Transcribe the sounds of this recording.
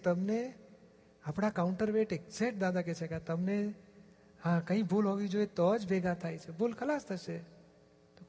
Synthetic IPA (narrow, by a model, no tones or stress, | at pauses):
t̪əmne | əpɽakaʊɳʈəɾʋeʈek̚seʈ̚d̪ad̪aket͡ʃʰɛkat̪əmne | ɦãkəɦĩbolɦoɡid͡ʒoet̪ɔd͡ʒbʱeɡat̪ʰajt͡ʃʰɛbolkʰəlast̪ʰəse | t̪o